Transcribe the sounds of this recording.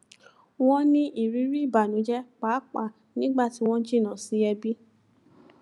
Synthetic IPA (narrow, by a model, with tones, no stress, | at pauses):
w̃ɔ̃˦nĩ˦ʔi˦˨ɾi˨˦ɾi˦˨ba˨nũ˨˦d͡ʒɛ˦k͡pa˨˦k͡pa˦˨ | nĩ˨˦ɡ͡ba˦˨ti˨˦w̃ɔ̃˦d͡ʒi˦˨nã˨si˨˦ɛ˧bi˦